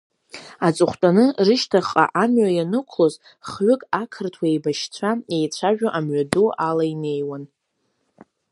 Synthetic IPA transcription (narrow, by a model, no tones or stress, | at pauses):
at͡sʼɨχʷtʷʼanɨrɨʃtʰaχʼa̰ʔamɥajanɨkʷʰloz | χɥʊkʼakʰɨrtʰwaejbaʃt͡sʷʰaejt͡ɕʷʰaʒᶣaʔamɥadualaine̞jwan